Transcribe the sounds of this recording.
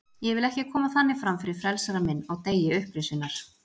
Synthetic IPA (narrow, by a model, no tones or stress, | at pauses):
jɛɣvɪlɛhcɪkʰɔːmaθanːɪfɾamfɪɾɪɾfɾɛlsaɾamɪnːaɣt̪eːjɪʏhpɾɪsʏnːaɾ̥